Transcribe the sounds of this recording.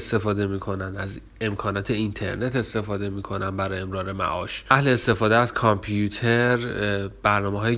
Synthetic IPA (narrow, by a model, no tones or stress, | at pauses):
st̪e̞fɒːd̪e̞miːkʰo̞nænd̪æz | e̞mkʰɒːnɒːt̪ʰe̞int̪ʰe̞̰ɾne̞t̪ʰe̞st̪e̞fɒːd̪e̞miːkʰo̞nænbæɾɒːje̞mɾɒːɾe̞mæ̰ʔɒ̰ːʃæhle̞ːst̪e̞fɒːd̪eæzkʰɒmpʰjut̪ʰeɾb̥æɾnɒːmeɦɒːje